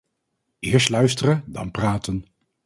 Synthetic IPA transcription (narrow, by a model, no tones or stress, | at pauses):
ɪːɹslœɥstərədɑ̰npraːtən